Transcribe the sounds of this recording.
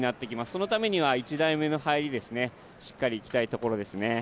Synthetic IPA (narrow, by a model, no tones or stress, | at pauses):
nat̪ːe̞kʲimasɨ̥so̞no̞t̪ame̞ɲ̟iβ̞ait͡ɕid̪aime̞no̞haiɾʲid̪e̞sɨne̞ | ɕi̥kːaɾʲiːkʲi̥t̪ait̪o̞ko̞ɾo̞d̪e̞sɨne̞